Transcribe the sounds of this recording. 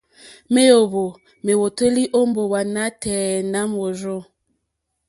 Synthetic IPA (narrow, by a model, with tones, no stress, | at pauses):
me˦jo˨βo˨ | me˨wo˨te˦li˦ʔo˦m˦bo˨wa˨na˦tɛː˨na˦mo˨zo˦